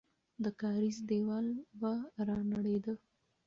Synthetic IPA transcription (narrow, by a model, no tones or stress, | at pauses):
d̪əkɑɾizd̪ewɑlbaɾɑnaɽed̪ə